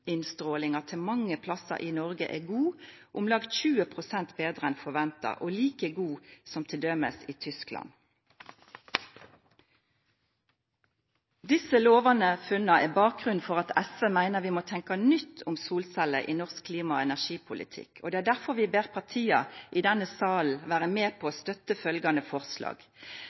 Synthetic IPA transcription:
ɪnst̪ʁoːlɪŋɑt̪ʰɪlmɑŋːəpʰlɑsə̰ʔiːnɔʁɡə̰ʔɛːɡuːʔʊmlɑɡt̪çʉːəpʰʁʊsɛnt̪beːd̪ʁəɛnfɔʋɛnt̪ɑ̰ʔoːliːkəɡuːsɔmt̪ʰɪld̪œmə̰siːt̪ʰʏsklɑ̰n | d̪ɪsəloːʋɑnəfʉnɑʔɛbɑːk̚ɡʁʉn̩fɔʁɑt̪ɛsʋəmæɪnəʁʋɪːmoːt̪ʰɛŋkɑnʏt̪ʰːʊmsuːlsæləʔḭːnɔʁskkʰːliːmɑɔɛnæʁʃiːpʰʊlɪ̰t̪ʰɪ̰kʰo̰d̪ɛæːɖ̪æʁfɔʁʋɪbeːʁpʰɑʁt̪ʰiːɑʔiːd̪ɛnəsɑːln̩ʋæːʁəmeːpʰoːoːst̪œt̪əfœlɡɑnəfɔʁslɑ̰ːɡ̥

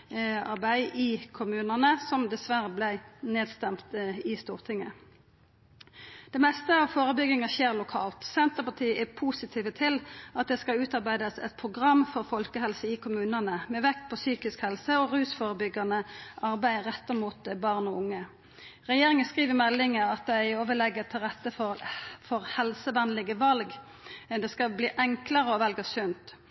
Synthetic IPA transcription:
ɑʁbæɪʔɪkʰʊmʉːnənəsɔmd̪ɛsʋæʁəblæɪneːd̪st̪ɛmt̪ɪst̪uːʁt̪ʰɪŋːə | d̪̥ɛmɛst̪əɑʋfoːʁəbʏɡɪŋɑçeːʁlʊkʰɑ̰ːlt̪sɛnt̪əʁpɑt̪ʰiːəʔɛpʰusɪt̪ʰiːʋət̪ʰɪlɑt̪̚d̪ɛskɑʉːt̪ɑʁbæɪd̪əsɛ̰t̪̚pʰʁʊɡʁɑmːfɔʁfɔlkəhɛlsəɪkʰʊmʉːnənəmɛːʋɛk̪pʰɔsyːkɪskhɛlsəɔʁʉːsfoːʁəbʏɡɑnəʔɑʁbæɪʁɛt̪ːəmuːt̪̚bɑʁnɔʊŋːə | ʁɛjeːʁɪŋənskʁiːʋəmɛlːɪŋəɑt̪̚d̪ɛɪoːʋəlɛɡːət̪ʰɪlʁɛt̪ːəfɔfɔʁhɛlsəʋɛnlɪɡəʋɑlɡ | d̪ɛskɑbliːʔɛŋkləʁəɔʋɛlɡəsʉnt̪

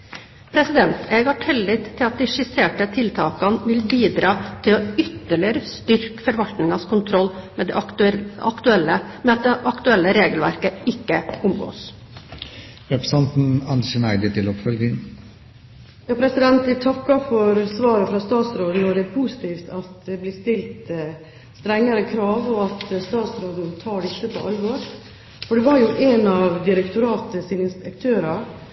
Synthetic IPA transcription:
pʰɾɛsɪd̪ɛnt̪ɛːɡɑʈʰɪlːɪt̪ʰːɪlɑt̪̚d̪ɪʂɪseːʈət̪ʰɪlt̪ʰɑːkɑnʋɪlbiːd̪ɾɑːt̪ʰɪlɔʏt̪ːəɭɪəɾəst̪ʏɾkfɔɾʋɑlt̪nɪŋɑskʰʊnt̪ʰɾɔlːmɛd̪ɛɑ̰kt̪ʉɛləmɛɑt̪̚d̪ɛʔɑkt̪ʉɛlːəɾeːɡəlʋæ̰ɾkəɪkːəʊmɡo̰ːs | ɾɛpɾəsɑnt̪n̩ɑnənæɪd̪ɪt̪ʰɪlɔpfœlɡɪŋ | jɑːpʰɾɛsɪd̪ɛnt̪d̪ɪt̪ʰɑkːɑfɔɾsʋɑːɾəfɾɑst̪ɑːt̪sɾoːd̪nɔɖ̪ɛpʰusɪ̥t̪ʰiːft̪ɑt̪dd̪ɛblɪːst̪ɪlt̪ | st̪ɾɛŋːəɾəkʰɾɑːʋɔɑt̪st̪ɑːt̪sɾoːd̪nt̪ʰɑːɖɪsːəpʰɔʔɑlʋoːɾ | fɔɖɛʋɑɾjʊʔɛnɑʋd̪ɪɾɛkt̪ʊɾɑːt̪əsiːnəɪnspɛkt̪ʰøːɾɑ

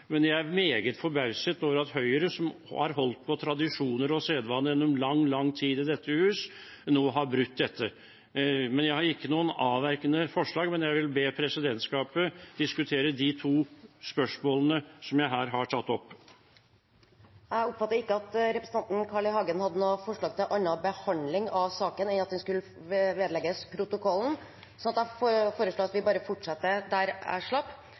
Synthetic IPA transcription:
mɛnjæɪæɾmeːɡət̪fɔɾbɑʉsət̪oːʋəɾɑt̪hœʏəɾəsɔmhɑ̰ɾɦɔlt̪̚pʰɔt̪ʰɾɑd̪ɪʂuːnəɾɔseːd̪ʋɑnːəjɛnːɔmlɑŋːlɑŋːt̪ʰiːd̪ɪd̪ɛt̪ːəhʉːs | noːɦɑɾbɾʉt̪̚ːd̪ɛt̪ːə | mɛnjæɪhɑɾɪkːənuːənɑːʋæɾkənəfɔʂɭɑːɡmɛnjæɪʋɪlbeːpʰɾɛsɪd̪ɛnt̪skɑːpəd̪̥ɪskʉt̪ʰeːɾəd̪ɪt̪ʰuːspœʂmoːlənəsɔmjæɪɦæːɾɦɑʈʰɑt̪ːɔpː | jæɔpːfɑt̪ːəɾɪkːəɑt̪ɾɛpɾəsn̩ɑnt̪n̩kʰɑɭɪhɑːɡənhɑd̪ːənoːfɔʂɭɑːɡt̪ɪlʔɑnɑbəhɑnd̪lɪŋɑʋsɑːkənɛnɑt̪hʉnskʉlːə | ʋeːd̪əlɛɡəspʰɾʊt̪ʊkʰɔlːn̩ | sɔnɑt̪æffoːɾəʂɭoːɑt̪ʋɪbɑːɾəfɔʈʂɑt̪ːəd̪æɾæ̰ʂɭɑpː

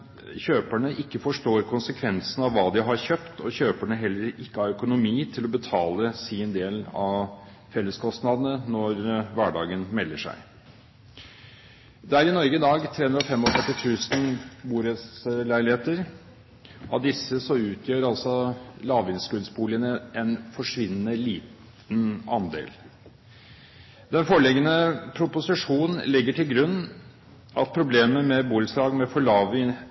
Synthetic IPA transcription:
çøːpæɳəʔɪkːəfɔʂʈoːɾkʰʊnsəkʰʋɛnsənɑʋʋɑːd̪ɪɦɑɾçøːpt̪ɔçøːpæɳəɦɛlːəɾɪkːəæɾœkʊnʊmiːt̪ʰɪlɔbət̪ʰɑːləsɪnd̪eːlɑʋ | fɛlːəskʰɔst̪nɑd̪nənɔɾʋæːɖɑːɡənmɛlːəʂæ̰ɪ | d̪ɛæɾɪnɔɾɡəd̪ɑːɡt̪ʰɾeːɵnd̪ɾɑfɛmːɔt̪ʰɛʈ̪ːɪt̪ʰʉːsn̩buːɾəslæɪlɪheːt̪əɾ | ʔɑ̰ʋd̪ɪsːəsɔʉːt̪ʰjøːɾɑlsɔlɑːʋɪnskʉːlsbuːlɪənəɛnfɔʂʋɪnːənəliːt̪ | nɑ̰nd̪ḛːl | d̪ɛnfɔɭɛɡːənəpʰɾʊpʊsɪʂuːnn̩lɪɡːəʈʰɪlɡɾʉnː | ʔɑ̰t̪̚pʰɾʊbleːməmɛbuːlslɑːɡmɛfɔɭɑːʋɪ

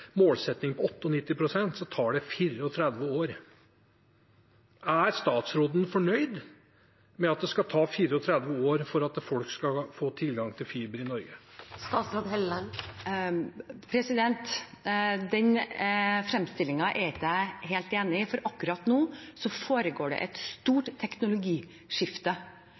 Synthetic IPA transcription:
moːlsɛt̪nɪŋpʰɔɔt̪ːəɔnɪt̪ːɪpʰɾʊsɛnt̪sɔt̪ʰɑːɖɛfiːɾəɔt̪ʰɾɛd̪ʋəoːɾ | æɾst̪ɑːt̪sɾoːd̪n̩fɔɳœʏd̪ | mɛɑt̪̚d̪ɛskɑt̪ʰɑːfiːɾəɔt̪ʰɾɛd̪ʋəoːɾfɔɾɑt̪̚d̪fɔlkskɑfoːt̪ʰɪlɡɑŋt̪ʰɪlfyːbəɾɪnɔɾɡəst̪ɑːt̪sɾoːd̪ɦɛlə | pʰɾɛsɪd̪ɛnt̪ | d̪ɛɲ | fɾɛmst̪ɪlːɪŋɑʔɛɾɪæɦeːlt̪eːnɪfɔɾɑkːʉɾɑt̪nuːsɔfoːɾəɡoːɖɛ̰ʔɛt̪st̪uːʈtʰːɛknʊlʊɡiː | ʂɪft̪ə

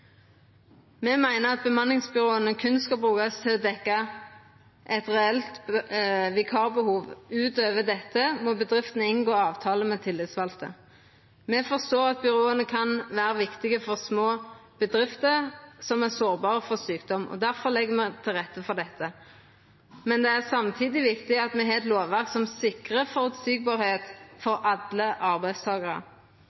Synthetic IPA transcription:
mɛmæɪnəʁɑt̪̚bəmɑnɪŋsbʏʁoːənəkʰʉnskɑlbʁʉːkɑst̪ʰɪlɔd̪ɛkːɑ | ʔɛt̪ʁɛɛlt̪ | ʋɪkʰɑːʁbəhuːʋʉːt̪øːʋəd̪ɛt̪ːəmɔbəd̪ʁɪft̪ənəɪnɡoːɑːʋt̪ʰɑːləmɛt̪ʰɪlːɪt̪sʋɑlt̪ə̰ | mɛfɔʁst̪oːʁɑt̪̚bʏʁoːənəkʰɑnʋæːɾəʋɪkt̪ɪɡəfɔʁsmoːb̥əd̪ʁɪft̪əʁsɔmɛsoːʁbɑːʁəfɔʁsyːkd̪ɔmʔɔ̰d̪æʁfɔʁlɛɡːəmɛt̪ʰɪlʁɛt̪ːəfɔʁd̪ɛt̪ʰːə | mɛnd̪ɛæʁsɑmt̪ʰiːd̪ɪʋɪkt̪ɪɑt̪mɛɦɑːɛt̪loːʋʋæʁksɔmsɪkʁəfɔʁʉt̪siːɡ̚bɑːɾheːt̪fɔɾɑd̪ləʔɑʁbæɪd̪st̪ʰɑːɡəʁə̰

